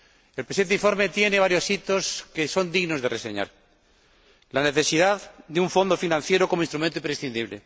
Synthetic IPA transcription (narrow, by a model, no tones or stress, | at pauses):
elpɾsient̪iɱfo̞ɾme̞t̪je̞ne̞βaɾjosit̪oskeso̞nd̪iɣno̞zðerʔesḛɲa̰ɾ | laneθe̞siðaððeuɱfo̞nd̪o̞finãnθje̞ɾoko̞moinst̪ɾumẽnt̪oimpɾesθind̪iβ̞lḛ